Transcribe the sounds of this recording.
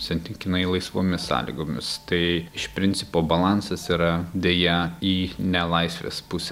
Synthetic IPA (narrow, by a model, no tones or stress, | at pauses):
sʲɛnʲt̪ʲɪŋkʲɪnɐɪlˠɐɪsʋoːmʲɪsːɑ̰ːlʲḭɡoːmʲɪst̪ɐɪɪʃpʲɾʲɪnʲtsʲɪpoːbɐlˠɑnsɐsiɾɐd̪ʲeːjɛiːnʲɛlˠɐɪsʲʋʲḛːspʊsʲɛ